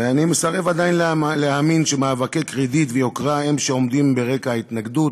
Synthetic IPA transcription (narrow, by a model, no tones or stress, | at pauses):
veanimesaʁe̞vad̪ajinlleaminʃemaːvakekʁid̪it̪vejo̞kʁae̞mʃeo̞md̪imbe̞ʁe̞kaait̪naɡd̪ut